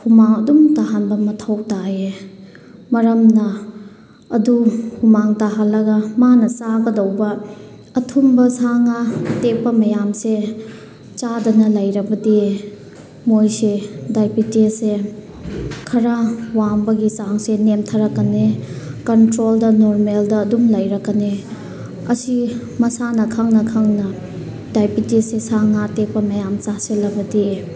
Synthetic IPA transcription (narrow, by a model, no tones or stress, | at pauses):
humaŋɐdumtaɦanbɐmɐtʰɐwtaje | mɐɾɐmnɐ | ɐduhumaŋtaɦalːɐɡɐmanɐsaɡɐdɐwbɐː | tʰumbɐsaŋɐtepːɐmɐjamse | t͡ʃadɐnɐlɐjɾɐbɐdi | mojsedajpitese | kʰɐɾawaŋbɐɡisaŋsenemtʰɐɾɐkːɐnekɐntɾoldɐnoɾmeldɐːdumlɐjɾɐkːɐne | ɐsi | mɐsanɐkʰaŋnɐkʰaŋnɐ | dajpitesesaŋatepːɐmɐjamt͡ʃaselɐbɐdie